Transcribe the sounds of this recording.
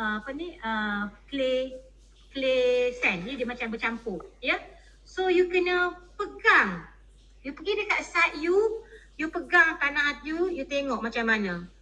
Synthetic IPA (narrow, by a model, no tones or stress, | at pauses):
əapəniəkle | klesɛnjidiəmat͡ʃambət͡ʃampʊjə | sojukənəpəɡaŋ | jupəɡidəkaʔsat̪̚jujupəɡaŋt̪anãʔat̪̚jujut̪eŋɔʔ̚mat͡ʃamːanə̃